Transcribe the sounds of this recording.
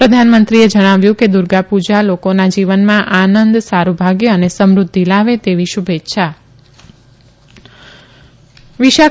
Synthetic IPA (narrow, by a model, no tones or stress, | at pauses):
pɾəd̪ʱanmənt̪ɾied͡ʒəɽ̃aʋjũked̪uɾɡapud͡ʒalokonad͡ʒiʋənmãʔanənd̪saɾubʱaɡjeənesəmɾʊd̪ʱːilaʋet̪eʋiʃubʱetːʃʰa | ʋiʃa